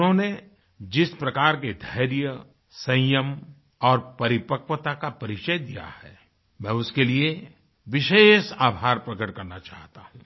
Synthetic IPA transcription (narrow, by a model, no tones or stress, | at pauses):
ɦõne | d͡ʒɪspɾɐkaːɾked̪ʱɐːɾjə | sɐ̃jəm | ɔːɾpɐɾɪpəkʋət̪akapɐɾɪt͡ʃəjd̪ija̰hɛː | mɛ̃ːʊskelie | ʋɪʃeːʃaːbʱaːɾpɾɐkəʈkɐɾnat͡ʃa̰ːɦt̪aɦũ